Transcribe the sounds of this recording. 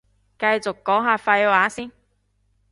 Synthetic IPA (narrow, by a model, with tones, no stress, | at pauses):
kɐ˧jt͡sʊ˨kːɔː˨˥ŋɦaː˨˧fɐ˧jwaː˨˥siː˥n